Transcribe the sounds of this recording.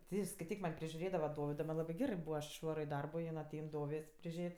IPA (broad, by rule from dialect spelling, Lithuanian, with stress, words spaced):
tʲɪ ɪ skɐɪˈtʲiːk mɐnʲ pʲrʲɪʒʲʊˈrʲeːdɐʋɐ ˈdoːʋʲɪdoː mɐnʲ ˈlˠɑːbɜ ˈɡʲæːrɜ ˈbuːʋɐ ɐʃ ɪʃˈʋɑːroː ɪ dɐrboː jɪn ɐˈtʲɛɪn ˈdoːʋʲeːsʲ pʲrʲɪˈʒʲeːtʲ